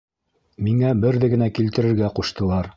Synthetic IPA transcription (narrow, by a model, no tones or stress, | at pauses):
miŋæbɘɾðɘɡɘ̆nækilt̪ɘ̆ɾɘ̆ɾɡæquʃt̪ɤ̆lˠɑɾ